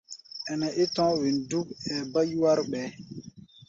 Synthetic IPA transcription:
ɛ˨nɛ˨ʔe˦tɔ̃˦wi˨ndu˦k̚ɛː˨ba˦ju˦wa˦ɾɓɛ˨˦

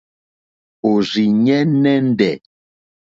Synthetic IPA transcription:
o˨ɾi˨ɲɛ˦nɛ˦n̩˦dɛ˨

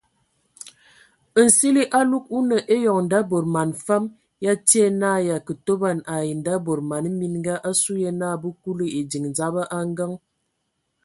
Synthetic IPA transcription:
ə˨n̩˨si˦li˦ʔa˦lu˦k̚u˦nə˨ʔe˦jɔ˨ŋn̩˨da˦bo˨ɾma˨nfa˦m | ja˦ti˦e˦naː˦˨ja˨kə˨to˦ba˦˨na˨ji˨n˨da˦bo˨ɾma˨n˦mi˦nŋ˦ɡa˦ʔa˦su˦je˦na˦˨bu˦ku˦lə˦e˨di˨ŋn˨za˦ba˦ʔa˦ŋ˦ɡa˦ŋ

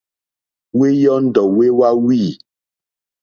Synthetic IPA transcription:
we˦jɔ˦n̩˦dɔ˨we˦wa˦wiː˦˨

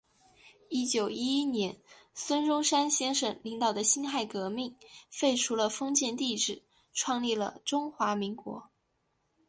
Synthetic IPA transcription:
i˥t͡ɕjo˨˩ʊi˥i˥njɛ˧˥n | swə˥nʈ͡ʂʊ˥ŋʂa˥nɕjɛ˥nʂɤ˨˩ŋli˧˥ŋt̪ɑ˨˩ʊd̪ə˦ɕi˥nxa˥˩ɪkɤ˧˥mi˥˩ŋfe˥˩ɪʈ͡ʂʰu˧˥lə˧fɤ˥ŋt͡ɕjɛ˥˧nt̪i˥˧ʈ͡ʂɻ̩˥˩˦ | ʈ͡ʂʰwɑ˥˧ŋli˥˩lə̰˩ʈ͡ʂʊ˥ŋxwa˧˥mi˧˥ŋkwɔ̰˧˥

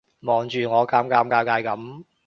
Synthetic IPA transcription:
mɔː˨˩ŋt͡ʃyː˨˧ŋɔː˨˧kaː˧mkaː˧mkaː˧wkaː˧jkɐ˨˥m

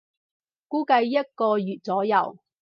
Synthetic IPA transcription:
kuː˨˥kɐ˧jjɐ˥t̚kɔː˧jyː˨t̚t͡sɔː˨˥jɐ̰˨˩w

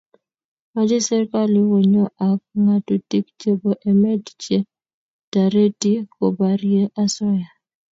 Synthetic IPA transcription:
ma˦d͡ʒɪ˦sɛ˦ɾka˦lɪ˦wo˨ɲɔ˦ʔa˨k̚ŋa˦tu˦ti˦kt͡ʃe˦bo˦ʔɛ˨mɛ˦tt͡ʃe˦ | ta˨ɾe˦ti˦ko˨ba˨ɾje˦ʔa˦sɔ˦ja˨

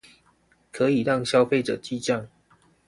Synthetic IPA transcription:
kʰə˨˦i˨˩ɻɑ˥˨ŋɕjɑ˥˦ʊfe˥˨ɪʈ͡ʂɤ̰˨˩t͡ɕi˥˧t͡ɕa˥˩ŋ

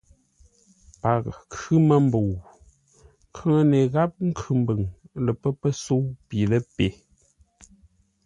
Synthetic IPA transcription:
pa˨kkʰʉ˦mə˦m̩˦bo˨w | kʰə˦ŋə˦ne˨ɣa˦p̚ŋ̩˦kʰʉ˨m̩˦bə˨ŋlə˨pə˦pə˦so˦wpi˨lə˦pe˨˦

